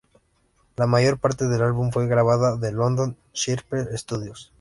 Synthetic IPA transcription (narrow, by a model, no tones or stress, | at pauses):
lamaʝo̞ɾpaɾt̪e̞ðe̞lalβuɱfwe̞ɣɾaβ̞aðaðe̞lo̞nd̪o̞n | ʃiɾpɾeest̪uðjos